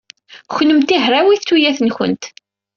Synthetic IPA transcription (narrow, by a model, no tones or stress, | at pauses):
xnəmt̪iɦɾawiθtːujæθənçə̰nt̪